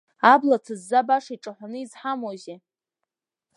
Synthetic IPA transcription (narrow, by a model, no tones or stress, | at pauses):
ablatʰɨzːabaʂiʈ͡ʂʼaħʷanɨizħamoze